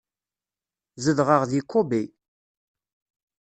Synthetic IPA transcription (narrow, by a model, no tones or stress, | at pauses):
zəðʁəʁðikʰʷːobi